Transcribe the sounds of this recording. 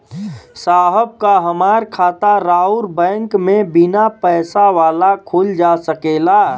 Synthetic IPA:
saːɦəb̚kaɦəmaːɾkʰaːt̪aɾauɾbɛ̃ːŋkmẽbinapɛːsaʋaːlakʰold͡ʒasəkela

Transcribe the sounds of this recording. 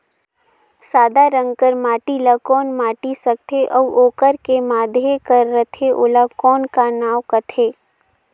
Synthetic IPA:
saːd̪aɾə̃ŋɡkəɾmaːʈilakɔːnmaːʈisɐk̚t̪ʰeʔɔʋʔoːkəɾkemaːd̪ʱjekəɾːət̪ʰeʔoːlakɔːnkanaːwkɐt̪ʰeː

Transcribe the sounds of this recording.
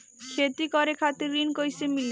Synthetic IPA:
kʰet̪ikɔɾekʰat̪eɾinkojsemil

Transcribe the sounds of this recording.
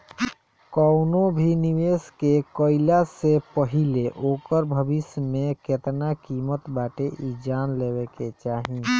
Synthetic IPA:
kɔʊnõbʱiniʋeːskekəɪlasepəɦileʔoːkəɾbʱəbɪsmẽket̪nakiːmət̪baːʈeʔid͡ʒaːnleːweket͡ʃaːɦĩ

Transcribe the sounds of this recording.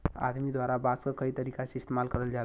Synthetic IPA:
a̰d̪mid̪ʋaɾabaskəkəit̪əɾikasiist̪emalkəɾəld͡ʑal

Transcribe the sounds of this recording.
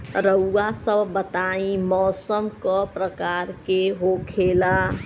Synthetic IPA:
ɾəuːasəbbət̪aĩmɔːsəmkɔpɾəkaɾkeɦokʰela

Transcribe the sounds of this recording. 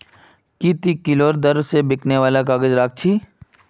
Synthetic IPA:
kit̪ikɪloːɾd̪ɐɾwsebɪkʰneʋaːlakaːɡəd͡ʒɾaːk̚ʰt͡ʃʰiː

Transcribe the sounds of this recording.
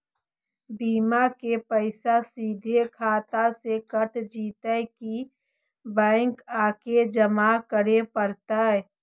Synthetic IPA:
biːmakepəɪsasiːd̪ʱekʰaːt̪asekəʈʰd͡ʒiːt̪əki | bɛ̃ːŋkaːked͡ʒəmakəɾepəɾt̪aɛ

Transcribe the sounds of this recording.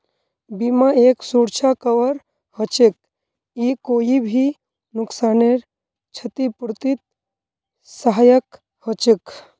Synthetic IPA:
bimaeːksuːɾt͡ʃʰakəʋəɾ | hət͡ʃek̚ | ikoːibʱi | nʊksaːneɾ | t͡ʃʰət̪ipɾt̪it̪̚ | səɦajək | hət͡ʃek

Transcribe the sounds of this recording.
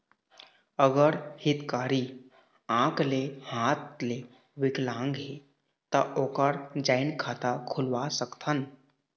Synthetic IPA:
əɡəɾhit̪kaɾiː | ãklehãt̪le | ʋiklãŋɡɦe | t̪əʔokəɾd͡ʑainkʰat̪akʰulʋasəkt̪ʰən

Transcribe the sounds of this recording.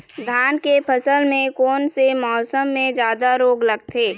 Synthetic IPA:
d̪ʱaːnkepʰəsəlmẽkɔːnsemɔːsəmːẽd͡ʒjaːd̪aɾoːɡləɡt̪ʰeː

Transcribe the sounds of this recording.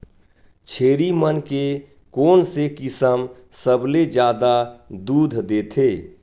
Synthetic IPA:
t͡ʃʰeːɾimənke | koːnsekɪsəm | səbled͡ʒjaːd̪ad̪uːd̪ʱd̪eːt̪ʰeː

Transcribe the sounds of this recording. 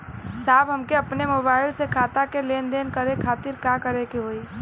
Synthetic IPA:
sabɦəmkeəpnemobaɪlsekʰat̪akelend̪enkəɾekʰat̪iɾkakəɾekeɦoi

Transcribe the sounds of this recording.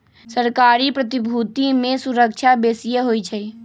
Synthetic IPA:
səɾkaːɾipɾət̪ibʱut̪imẽsuɾək̚t͡ʃʰabesijeɦojt͡ʃʰəj

